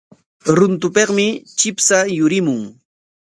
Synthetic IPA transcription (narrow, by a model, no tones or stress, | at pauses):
ɾʊnt̪ʊpeqmɪt͡ʃɪpsajʊɾɪmʊŋ